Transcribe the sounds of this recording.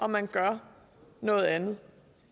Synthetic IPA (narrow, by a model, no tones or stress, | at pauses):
ʔɒ̽mænɡ̥ɶɐ | nɔ̽ːð̞̩ˠænð̩ˠ